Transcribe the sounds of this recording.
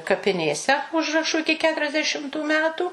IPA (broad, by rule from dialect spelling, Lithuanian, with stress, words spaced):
kɐpʲɪˈnʲeːsʲɛ ˈʊʒrɐʃʊ ˈɪkʲɪ ˌkʲæːtʊrʲɛzʲdʲɛˈʃʲɪmtʊ ˈmʲæːtuː